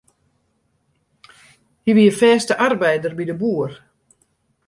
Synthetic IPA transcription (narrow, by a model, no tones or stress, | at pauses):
hiʋiəfɛːstəʔarbɛjdərbidəbuːər